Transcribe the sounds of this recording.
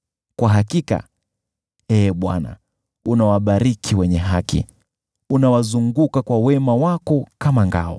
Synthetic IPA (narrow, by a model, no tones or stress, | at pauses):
kwaɦakika̰ | ɛːɓwa̰na̰ | unawaɓaɾikʰiwɛɲɛɦakḭ | unawazuŋɡukakwawɛmawakɔkamaŋɡa̰ɔ̰